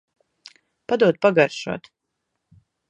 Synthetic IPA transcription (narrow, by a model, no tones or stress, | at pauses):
pad̪uɔt̪̚paɡaɾʃṵɔt̪